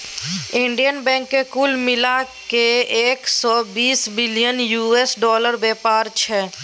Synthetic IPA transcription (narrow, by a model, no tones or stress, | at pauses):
ɪ̃ɳɖijənbɛ̃ːŋkːekulmɪlakeeːksɔːbiːsbɪlijənjuesɖɔːləɾbɛːpaːɾt͡ʃʰɛ